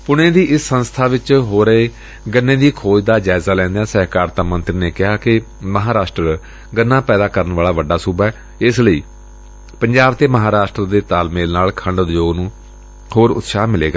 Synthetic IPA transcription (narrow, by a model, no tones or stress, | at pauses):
pʊnẽːd̪iːʔɪsːənst̪ʰaːʋɪt͡ʃɦoːɾəeː | ɡənːẽːd̪iːkʰoːd͡ʒd̪aːd͡ʒaːɪzaːlɛ̃ːnd̪ejãːsəɦkaːɾt̪aːmə̃nt̪ɾneːkɪɦaːkɪ | məɦaːɾaːʃʈɾə | ɡənːãːpɛːd̪aːkəɾənʋaːlaːʋəɖːaːsuːbɛː | ɪsləiː | pəɲd͡ʒaːbt̪eːməɦaːɾaːʃʈɾəd̪eːt̪aːlmeːlnaːlkʰəɳɖd̪joːɡnũː | hoːɾʊ̰t̪saːmɪleːɡaː